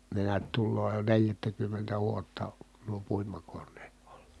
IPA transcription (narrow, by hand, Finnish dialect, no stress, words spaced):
ne neæt tulːoː jo neljætːækymːentæ ʋuotːɑ nuo puimɑkonːeːt o̥l̥ːɑ̥